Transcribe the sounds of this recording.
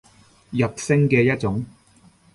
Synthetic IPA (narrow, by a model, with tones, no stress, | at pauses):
jɐ˨p̚sɪ˥ŋkɛː˧jɐ˥t̚t͡sʊ˨˥ŋ